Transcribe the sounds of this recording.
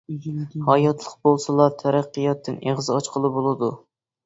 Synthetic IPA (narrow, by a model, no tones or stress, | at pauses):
hɑjɑt̪ʰlˠəq̚bolˠsɨlˠɑɾt̪ʰæɾæqːɨjɑt̪ʰːɨnʔeʁzɑt͡ʃqʰəlˠɨbolˠɨd̪u